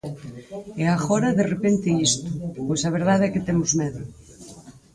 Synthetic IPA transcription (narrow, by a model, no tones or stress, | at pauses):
eaɣoɾɐðerepent̪eist̪ʊpojsaβ̞eɾð̞aðɛkɪt̪emʊzmeðʊ